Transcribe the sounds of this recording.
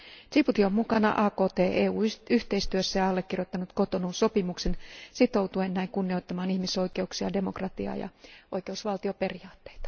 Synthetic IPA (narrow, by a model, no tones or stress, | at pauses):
siput̪iommukɑnɑ̰ʔɑːkoːt̪eːʔeːuːyht̪e̞ist̪yøsːæjɑɑlːekːirjot̪ːɑnut̪ko̞t̪onunso̞pimuksensit̪o̞wt̪ue̞nːæiŋkunːio̞jt̪ːɑmɑːnihmiso̞jke̞uksiɑ̰de̞mokrɑt̪iɑ̰jɑ̰ojke̞usʋɑlt̪iope̞riɑːt̪ːeit̪ɑ̥